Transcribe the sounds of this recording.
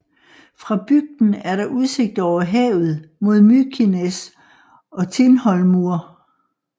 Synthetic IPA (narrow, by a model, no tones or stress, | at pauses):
fʁɑ̈b̥yɡ̥̚d̥n̩æɐɾɑ̈ʔuð̞ˠse̝ɡ̥̚d̥ɒʊ̰ɐɦɛːʊð̩ˠmo̝ð̞ˠmykʰines | ɒ̽t͡sʰe̝nhɒ̽lmuɐ